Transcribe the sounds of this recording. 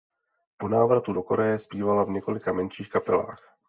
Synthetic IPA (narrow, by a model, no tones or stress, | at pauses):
po̞naːvɾat̪udo̞ko̞ɾɛjɛspiːvalavɲɛko̞lɪkamɛnʃiːxkapɛla̰ːx